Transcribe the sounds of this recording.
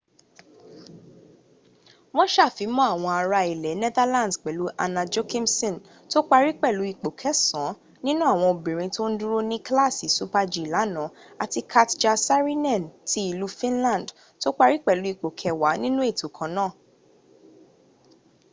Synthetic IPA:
w̃ɔ̃˦ʃa˦˨fi˨˦mɔ̃˦a˦˨w̃ɔ̃˧a˨ɾa˧i˨lɛ˨˦nɛ˦da˦lã˦n˨dsk͡pɛ˨lu˨˦ʔa̰˧nã˧d͡ʒo˦kĩ˦msɔ̃˦˨n | to˦k͡pa˧ɾi˦k͡pɛ˦˨lu˨˦i˨k͡po˨kʰɛ˨˦sã˨˦ | nĩ˦nũ˦a˦˨w̃ɔ̃˧o˨bĩ˨ɾ̃ĩ˧to˦n̩˦du˦ɾo˦nĩ˦kla˦˨si˨su˨˦pa˧d͡ʒi˨la˨˦nã˨˦a˨ti˧kʰa˧td͡ʒa˧sa˦ɾi˦nɛ̃˦˨nti˦i˦˨lu˦fĩ˦nlã˦˨nd | to˦k͡pa˧ɾi˦k͡pɛ˦˨lu˨˦i˨k͡po˨kʰɛ˨wa˨˦nĩ˦nũ˦e˦˨to˨kʰã˨˦nãː˦˨

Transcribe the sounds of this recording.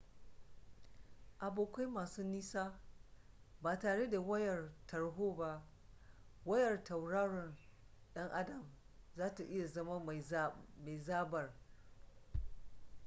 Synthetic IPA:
ʔa˨boː˨kʷa˦jmaː˨suː˦niː˦saː˦ | baː˨taː˨ɽe˦da˨wɐ˦jɐ˨rtɐ˨ɽɦoː˦ba˦ʔ | wɐ˦jɐ˨rta˨wɽaː˦ɽɔ˨nɗɐ˦ŋʔa˦dɐ˨m | zaː˦ta˨ʔɪ˦ja˨zɐ˦ma˦˨me˨jzaː˦bɐ˨r

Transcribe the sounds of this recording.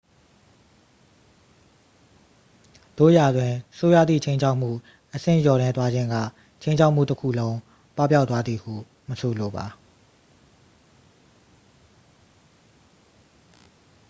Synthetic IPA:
d̪̥o̰˦˨ja˨dwɪ̃˨so˦ja̰˦˨d̪ðḭ˦˨t͡ɕʰẽ˦ɪ̃ɲt͡ɕʰa˦ʊʔm̥ṵ˦˨ | ʔəsɪ̰̃˦˨jɔ˨ɾɛ̃˦˨t̪wa˦d͡ʑɪ̃˦ŋɡa̰˦˨ | t͡ɕʰẽ˦ɲt͡ɕʰa˦ʊʔm̥ṵ˦˨təkʰṵ˦˨lõ˦ʊ̃ | pa˦˨pja˦ʊʔt̪wa˦d̪ði˨hṵ˦˨ | məsʰo˨lo˨ba˨

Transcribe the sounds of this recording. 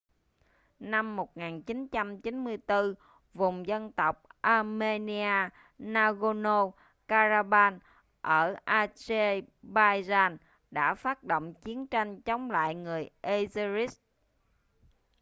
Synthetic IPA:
na˧mːo˨˩t̚ŋaː˨˩nt͡ɕi˨˦nt͡ɕa˧mt͡ɕi˨˦nmɨ˧əjt̪ɨ˧ | vʊ˨˩ŋ͡mzə˧nt̪ə˨˩wk͡p̚ʔaː˧me˧ni˧aː˧ | naː˧ɣo˧no˧ | kaː˧zaː˧ɓaː˧n | ʔəː˧˩ʔaː˧se˧ɓaː˧jzaː˧n | ɗa̰ː˧˥faː˦˥t̚ɗo̰˧˨wŋ͡mt͡ɕi˨˦ənt͡ɕa˧jŋ̟t͡ɕɔ˨˦wŋ͡mla̰ː˧˨jŋɨ˨˩əjʔe˧ze˧zi˦˥st̚

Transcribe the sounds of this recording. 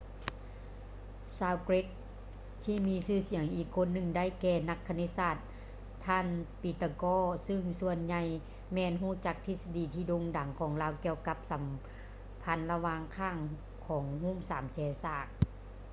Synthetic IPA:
saː˧wkɾe˦˥t̪̚ | t̪ʰiː˧˩miː˧˥sɯː˧˩˨si˨˩˦əŋʔiː˨˩kʰːo˧˥˨nːɯ˧˩ŋda˥˨jkɛː˧˩na˧kʰːa˧ni˧saː˧˩t̪ʰː | aː˧˨npi˨˩t̪a˧kɔː˧˩sɯ˧˩ŋsu˧ənɲa˧j | mɛː˧˨nɦuː˧˩˨t͡ɕa˧˦k̚t̪ʰi˧˥sa˧diː˧˩t̪ʰiː˧do˧˥ŋda˩˦ŋkʰɔː˩˦ŋlaː˧˩wki˧əwka˧˥p̚sa˨˦m | pʰa˧˥˨nla˧waː˧˨ŋkʰaː˧˩ŋ | kʰɔː˩˦ŋhuː˧˥˩msaː˩˦mt͡ɕɛː˧saː˧˩k̚

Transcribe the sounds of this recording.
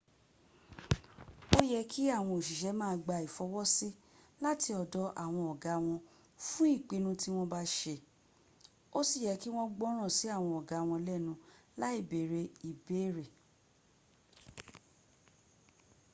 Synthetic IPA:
o˦jɛ˧kʰi˦a˦˨w̃ɔ̃˧o˨ʃi˨ʃɛ˨˦mãː˦˧ɡ͡ba˧˨i˨fɔ˨˧wɔ˦si˦ | la˦ti˧ɔ˨dɔ˨˦ʔa̰˦˨w̃ɔ̃˧ɔ˨ɡa˨˦w̃ɔ̃˧ | fũ˦i˦˨k͡pe˨˧nũ˧ti˦w̃ɔ̃˦ba˦ʃe˧ | o˦si˦˨jɛ˧˦ki˦w̃ɔ̃˦ɡ͡bɔ̃˦ɾ̃ã˦˨si˨˦a˦˨w̃ɔ̃˧ɔ˨ɡa˨˦w̃ɔ̃˧lɛ˦˨nũ˧la˦i˦˨be˨ɾe˧i˨be˨˦˨ɾe˨

